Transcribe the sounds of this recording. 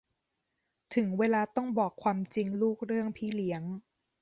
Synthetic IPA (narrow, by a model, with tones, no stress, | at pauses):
t̪ʰɯ˩˦ŋweː˧laː˧t̪ɔ˥˩ŋbɔː˨˩kʰːwaː˧mt͡ɕi˧ŋluː˥˩k̚ɾɯ˥˩əŋpʰiː˦˥˩li˦əŋ